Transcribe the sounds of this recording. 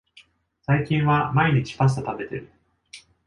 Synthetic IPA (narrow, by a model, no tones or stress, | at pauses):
saikʲĩɰ̃βamaiɲ̟it͡ɕi̥pas̬t̪ot̪abe̞t̪e̞̰ɾɯ̟